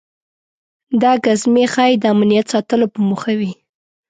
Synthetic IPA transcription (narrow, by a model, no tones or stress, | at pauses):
d̪ɑɡazmexɑjd̪əamnijat̪sɑt̪əlopəmuxawi